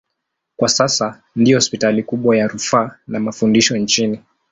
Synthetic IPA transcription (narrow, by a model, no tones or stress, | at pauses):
kwasasa | ndiɔhɔspitalikuɓwajaɾufaːnamafundiʃɔnt͡ʃini